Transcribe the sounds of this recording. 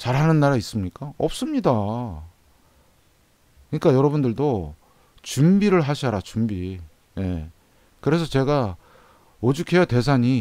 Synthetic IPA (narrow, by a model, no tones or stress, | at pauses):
t͡ɕaɾɦanɯnːaɾais͈ɯmɲik͈aʌp̚s͈ɯmɲida | kɯɲik͈ajʌɾʌbundɯɭdo | t͡ɕumbiɾɯɭɦaɕʰaɾat͡ɕumbi | je̞ | kɯɾe̞s̬ʰʌt͡ɕe̞ɡa | od͡ʑukʰejate̞s̬ʰaɲi